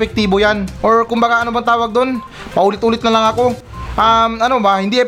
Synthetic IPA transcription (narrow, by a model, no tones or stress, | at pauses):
pɛk̚t̪iːbojanʔoɹkʊmbaɡaʔɐnobɐŋt̪aːwɐɡ̚d̪on | pɐʔuːlɪt̪̚uːlɪt̪̚nɐlɐŋɐko̞ | ʔamɐno̞bahɪnd̪iʔɛ